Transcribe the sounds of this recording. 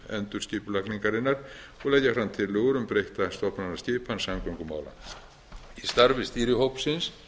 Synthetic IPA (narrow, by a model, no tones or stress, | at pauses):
ɛ̰nt̪ʏ̥scɪːpʏlakniŋkaɾɪnːaɾ | ɔɣlɛjcafɾamt̪ʰɪlːoːɣɾʏmpɾejht̪ast̪ɔhpnanḁscɪːpansamkʰawŋkʏma̰ːwla̰ | ist̪aɾvɪst̪iːɾɪhowpn̥sɪns